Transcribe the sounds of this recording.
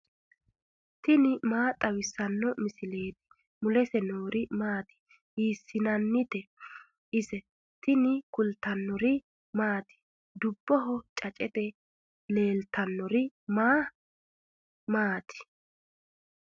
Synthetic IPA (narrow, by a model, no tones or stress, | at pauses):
t̪ɪnɪmaːt̪ʼɐwɪsːɐnːɔmɪsɪle̞ːt̪ɪ̥ | mʊlɛsɛnoːɾɪmaːt̪ɪ̥ | hiːsːɪnɐnːɪt̪ɛ | ʔɪsɛ | t̪ɪnɪkʊlt̪ɐnːɔɾɪ | maːt̪ɪ̥ | d̪ʊbːɔɦɔt͡ʃʼɐt͡ʃʼɛt̪ɛ | le̞ːlt̪ʰɐnːɔɾɪmaː | maːt̪ʰɪ̥